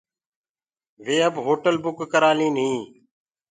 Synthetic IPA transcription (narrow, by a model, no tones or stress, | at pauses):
ʋeːəbɦoːʈəlbʊkːəɾaːlĩːnɦĩː